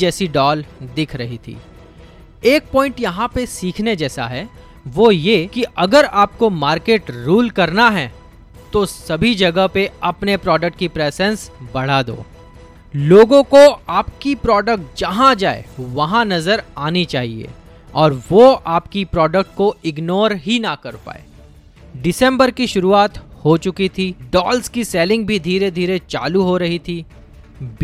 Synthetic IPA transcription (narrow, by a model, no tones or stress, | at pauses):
d͡ʒɛːsiɖɔːld̪ɪkʰɾɐɦit̪ʰḭː | eːk̚pɔ̃ːɪ̃ɳʈjɐɦãpesiːkʰned͡ʒɛːsa̰ɦɛ | ʋojekiʔɐɡəɾaːp̚komaːɾkeːʈɾuːlkɐɾnaɦɛː | t̪osɐbʱid͡ʒɐɡəɦpeɐpnepɾɔːɖək̚ʈ̚kipɾɛːzɛ̃nsbɐɽ̤ad̪o̰ː | loːɡõkoaːp̚kipɾɔːɖək̚ʈ̚d͡ʒɐɦãd͡ʒaːḛʋɐɦãnɐzəɾaːnit͡ʃaːɦiḛː | ɔːɾʋoaːpkipɾɔːɖək̚ʈ̚koɪɡnoːɾɦinɐkɐɾpa̰ːḛː | ɖɪsɛ̃mbəɾkiʃʊɾuaːt̪hot͡ʃʊkit̪ʰiɖɔːlskiseːlɪ̃ŋɡ̚bʱid̪ʱiːɾed̪ʱiːɾet͡ʃa̰ːluɦoɾɐɦit̪ʰi